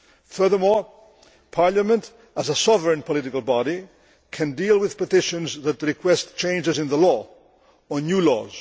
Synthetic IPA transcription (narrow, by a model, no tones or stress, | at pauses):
fɜ˞ðə˞mɔɹ | pʰɑɹlˠəmə̃nt | əzəsɔvəɹɨ̃npʰəlɪɾɪkəlˠbɑɾi | kʰɨ̃ndilˠwɪð̥pətɪʃə̃nzðət̪̚ðəɹɨkʰw̥ɛstt͡ʃʰẽɪ̃nd͡ʒɨzɨ̃nðəlɔ | ənjulɔ̰z̥